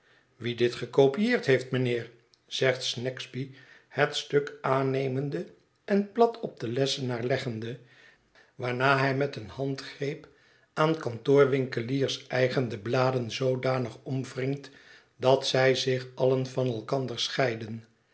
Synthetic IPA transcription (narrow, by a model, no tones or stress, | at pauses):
ʋidɪtχəkowpijeːɹtɦejftmənɪːɹ | z̥ɛχtsnɛkzbihətstɵkaːnejməndə | ɛnplɑtʰɔb̚dəlɛsənaːɹlɛχəndə | ʋaːɹnaːɦɛjmɛtənhɑntχrejp | aːnkɑntʊːɹʋɪŋkəliːrsɛjχəndəblaːdənzowdaːnəχɔmvrɪŋt | dɑtsɛjzɪχɑlənvɑnɛlˠkɑndəɹsχɛjdən